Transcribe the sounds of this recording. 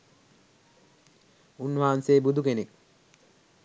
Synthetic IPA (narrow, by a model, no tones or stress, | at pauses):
unːuaːnseːbud̪ʱukenek